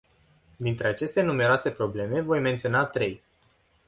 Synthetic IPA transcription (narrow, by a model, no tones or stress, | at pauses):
d̪int̪ɾe̞at͡ʃe̞st̪e̞nume̞ɾoase̞pɾo̞ble̞me̞vo̞jme̞nt̪sio̞nat̪ɾe̞j